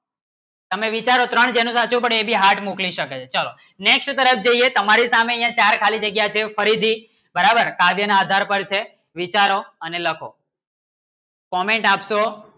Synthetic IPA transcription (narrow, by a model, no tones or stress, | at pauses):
t̪əmeʋit͡ʃaɾot̪ɾəɳd͡ʒenũsat͡ʃũpəɽebʱiɦaɾʈmukliʃəket͡ʃʰet͡ʃalo̰ | neksʈt̪əɾəfd͡ʒəiet̪əmaɾisameəjãt͡ʃaɾkʰalid͡ʒəɡjat͡ʃʰefəɾid̪ʱi | bəɾabəɾkaʋjənaːd̪ʱaɾpəɾt͡ʃʰe | ʋit͡ʃaɾoəneləkʰo̰ | kɔmeɳʈapʃo